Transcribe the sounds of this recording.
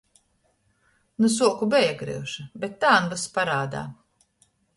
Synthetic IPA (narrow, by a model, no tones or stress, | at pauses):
nus̬uɔkubɛjɛkɾḭwʃɐbet̪ːaːnvaspaɾaːd̪a̰ː